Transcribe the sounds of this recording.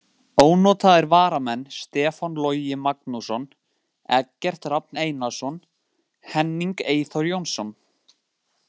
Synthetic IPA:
oːwnɔːt̪aðɪɾvaːɾamɛnːst̪ɛːfɔnlɔjɪmak̚nusɔn | ɛcːɛr̥t̪rap̚neːjnasɔn | hɛnːiŋkeːjθɔɾjownsɔn

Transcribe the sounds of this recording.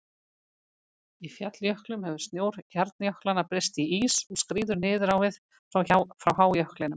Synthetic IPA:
ifjat̪ljœhklʏmhɛvʏɾ̥st̪njoːwɾ̥çaɾt̪̚njœhklanːapɾɪst̪iiːsɔɣskɾiːðʏɾnɪːðʏɾawvɪð | fɾawfɾawɦaːwjœhklɪnʏm

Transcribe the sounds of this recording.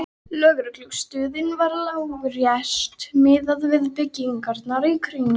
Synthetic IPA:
lœːɣɾʏkluɣst̪ʏːðɪnvaɾlaːwrjɛst̪mɪːðaðvɪðpɪcːiŋkaɾt̪naɾikʰɾiɲː

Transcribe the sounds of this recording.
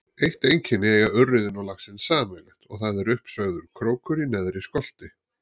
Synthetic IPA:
ejht̪ejɲcʰɪnːɪeɣaœrːɪðɪnɔwlaxsɪnsaːmɛlɛht̪ɔ̰ɣθaðɛɾʏhpsœɣðʏɾ̥kʰɾoːwkʏɾinɛðɾɪskɔl̥t̪ɪ

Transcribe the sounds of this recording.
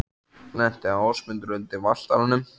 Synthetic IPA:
lɛn̥t̪ɪaɔsmʏnt̪ɾʏnt̪ɪval̥t̪aɾanʏm

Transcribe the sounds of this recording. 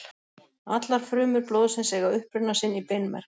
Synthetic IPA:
at̪laɾ̥fɾʏːmʏɾplowðsɪnsɛɣawʏhpɾʏnːasɪnːipejnmɛ̰ɾ̥

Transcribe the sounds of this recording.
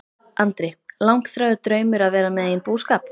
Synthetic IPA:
ʔant̪ɾɪlawŋ̥kθɾaːðʏt̪ɾœːɥmʏɾaðvɛːɾamɛðeːjɪnpuːskaːp̚n

